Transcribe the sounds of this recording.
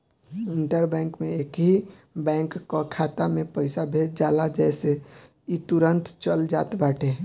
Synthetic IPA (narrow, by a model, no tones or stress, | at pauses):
ɪɳʈəɾbɛ̃ːŋkmẽeːkɦi | bɛ̃ːŋkːokʰaːt̪amẽpəɪsabʱeːt̚d͡ʒaːlad͡ʒɛːse | it̪uɾənt̪t͡ʃəld͡ʒa̰ːt̪baːʈʰe